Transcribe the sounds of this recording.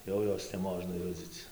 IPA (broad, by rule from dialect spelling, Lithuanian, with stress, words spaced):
ˈjɛʊ ˈjoːs nʲɛˈmoːʒnɐ ˈjʊd͡zʲiːt͡s